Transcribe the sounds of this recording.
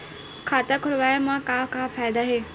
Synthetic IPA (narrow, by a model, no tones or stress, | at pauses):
kʰaːt̪akʰʊlʋaːjamãkãːkãːfaːɪd̪aɦeː